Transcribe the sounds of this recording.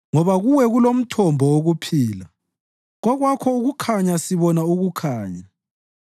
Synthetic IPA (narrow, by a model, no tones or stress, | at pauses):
ŋɔβaɣuwɛɣulom̩tʰɔmbʱɔoɣupʰiːla | ɣɔɣwakʰɔuɣukʰaɲasiβɔnauɣukʰaːɲa